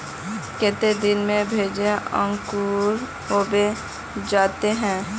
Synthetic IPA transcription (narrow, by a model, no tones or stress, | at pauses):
kɪt̪ed̪ɪnmẽbʱeːd͡ʒeə̰̃ŋkuɾ | oːbe | d͡ʒaːt̪eɦɛ̃ː